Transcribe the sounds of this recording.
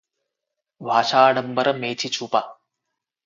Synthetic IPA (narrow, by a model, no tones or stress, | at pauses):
bʱaːʃaːɖɐmbɐɾɐmeːt͡ʃʰit͡ʃʰuːpa